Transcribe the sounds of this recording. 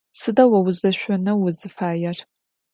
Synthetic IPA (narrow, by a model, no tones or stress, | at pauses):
sɨdɐwɐwʊzɐɕʷɔnɐwʊzɨfaːjɛr